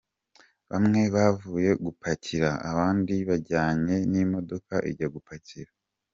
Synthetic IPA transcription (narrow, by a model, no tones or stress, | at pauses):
βamŋe̞βavuːje̞ɡupʰacʰiɾaa̰βaːndiβaɾɟaːɲe̞nimo̞do̞kaʔiɟaɡupʰaciɾa